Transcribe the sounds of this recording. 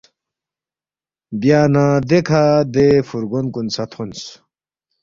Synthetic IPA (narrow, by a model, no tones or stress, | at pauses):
bjaːnãd̪ekʰad̪efuɾɡonkunsɐt̪ʰuns